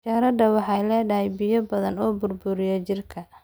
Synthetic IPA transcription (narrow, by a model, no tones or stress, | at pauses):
t͡ʃaːɾɐdɐwɑħɑjlɛːɖɐɦɛjbɪjɔbɐðɐnɔːbʊrbʊɾɪjɐt͡ʃɪrkʰɐ